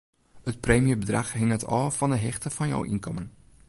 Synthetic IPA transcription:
hət̚preːmijəbədraxɦɪŋətɔ̰ːfɔndəɦɛxtəfɔnjɔ̰wʔḭnkɔmən

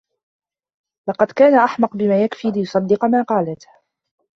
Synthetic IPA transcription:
lɑqɑd̪kaːnaʔaħmɑqbɪmaːjakfiːlɪjʊsˤɑd̪ːɨqmaːqɑːlat̪

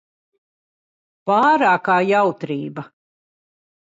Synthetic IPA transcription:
paːɾaːkaːjawt̪ɾiːbɐ

